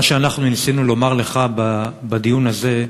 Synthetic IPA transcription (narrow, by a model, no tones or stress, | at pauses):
ʃeanaχnunsinulo̞maʁle̞χaba | bad̪ijunaze̞